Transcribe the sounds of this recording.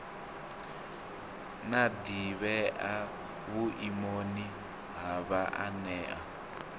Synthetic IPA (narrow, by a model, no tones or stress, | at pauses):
nad̪iβɛʔa | βuʔimoni | ɦaβaʔanɛːʔa